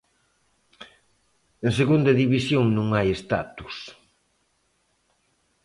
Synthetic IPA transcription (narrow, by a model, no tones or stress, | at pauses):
enseɣund̪ɐðiβisjoŋnũŋajest̪a̰t̪u̥s